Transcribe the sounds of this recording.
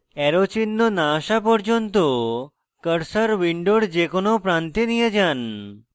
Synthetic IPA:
ɛɾot͡ʃinːonaːʃapəɽd͡ʒont̪o | kəɽsəɾʋiɳɖoɽd͡ʒekonopɾant̪inijəd͡ʒan

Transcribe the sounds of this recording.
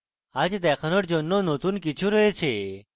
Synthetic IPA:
ad͡ʒd̪ɛkʰənəʈd͡ʒonːonot̪unkit͡ʃʰũɾəɦet͡ʃʰe

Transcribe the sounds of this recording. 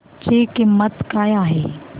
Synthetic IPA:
t͡ʃekɪmət̪kaːjaːɦeː

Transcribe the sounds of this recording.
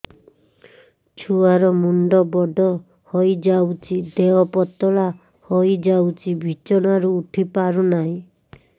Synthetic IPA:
t͡ʃʰuaɾɔmuɳɖɔbɔɖɔ | hojd͡ʒawt͡ʃʰid̪eɔpɔt̪ɔɭa | hojd͡ʒawt͡ʃʰibʱit͡ʃɔnaɾuːʈʰipaɾunaɦĩ

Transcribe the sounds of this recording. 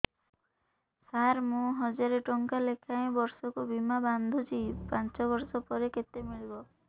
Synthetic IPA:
saɾmũɦɔd͡ʒaɾeʈɔŋkalekʰaẽbɔɾsɔkubimaband̪ʱut͡ʃʰipant͡ʃɔbɔɾsɔpɔɾeket̪emiɭibɔ

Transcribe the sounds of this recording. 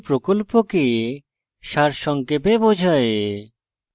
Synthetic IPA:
pɾokolpoke | ʃaɾʃɔŋkepebod͡ʑʱae

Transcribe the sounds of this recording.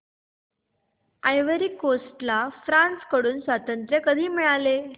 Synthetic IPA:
ajʋəɾiːkosʈlafɾãnskəɽuːnsʋat̪ənt̪ɾjəkəd̪ʱiːmiɭale

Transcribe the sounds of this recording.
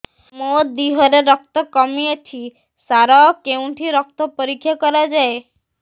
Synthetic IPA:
mɔd̪iɦɔɾeɾɔk̚t̪ɔkɔmijet̪ʰi | saɾakeũʈʰiɾɔk̚t̪ɔpɔɾikʰjakɔɾad͡ʒae

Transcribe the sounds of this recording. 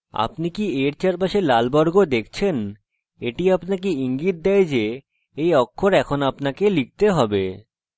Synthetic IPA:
a̰pnikieɾt͡ɕaɾbaʃelalbɔɾɡod̪ekʰt͡ɕʰen | eʈiapnakiiŋɡit̪̚d̪ɛjd͡ʑe | ejɔkʰːoɾɛkʰonapnakelik̚t̪eɦɔbe

